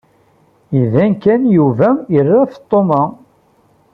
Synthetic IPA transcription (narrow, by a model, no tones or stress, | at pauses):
iðænkːænjuvæərːæft̪ˤːomɑ